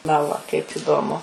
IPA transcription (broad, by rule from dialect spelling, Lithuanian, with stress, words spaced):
nɐ ˈʋɐ kɐɪp ˈiːdoːmʊ